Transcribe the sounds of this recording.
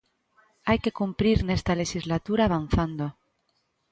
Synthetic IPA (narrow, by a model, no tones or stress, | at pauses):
ajke̞kumpɾiɾne̞st̪alexizlat̪uɾaːβ̞an̟θand̪o